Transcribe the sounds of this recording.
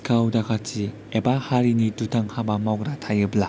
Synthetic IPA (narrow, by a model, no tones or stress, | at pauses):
kʰawdakʰasi | ebahaɾinitutʰaŋhabamawk̚ɾatʰajɯbla